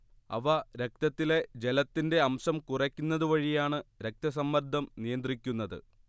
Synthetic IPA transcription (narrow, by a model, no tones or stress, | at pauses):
ɐ̰ʋɐɾe̞k̚t̪ɐt̪ːile̞d͡ʑe̞lɐt̪ːinde̞ɐmɕɐmkurɐkʲːunːɐðuʋɐɻijaːɳɨɾek̚t̪ɐs̬ɐmːɐɾd̪ʱːɐmnijɐnd̪rikʲːunːɐðɨ̰